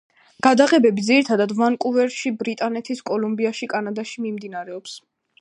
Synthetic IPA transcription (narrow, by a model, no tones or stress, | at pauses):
ɡ̥ad̪aʁɛbɛbid̪ziɾit̪ʰad̪ad̪vankʼuvɛɾʃibɾit̪ʼanɛt̪ʰiskʼɔlumbiaʃikʼanad̪aʃimimd̪inaɾɛɔps